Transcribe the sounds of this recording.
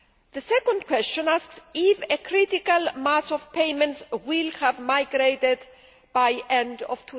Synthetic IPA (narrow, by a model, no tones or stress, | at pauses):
ðəsɛkɔ̃nd̚kʰwɛst͡ʃɔ̃nasksifekʰɾit̪ikalmasɔv̥pʰejmɛ̃ntswilhævmajɡɾejt̪ed̪ | b̥ajʔɛ̃ndɔv̥t̪ʰu